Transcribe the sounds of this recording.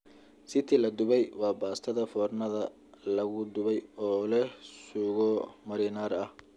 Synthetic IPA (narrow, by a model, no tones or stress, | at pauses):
sɪt̪ʰɪlɐd̪ʊβɛjwɑːbaːst̪ʰɐðɐfɔːrnɐðɐ | lɐɣʊd̪ʊβɛjɔːlɛsuːɣɔmɐɾɪnaːɾɐh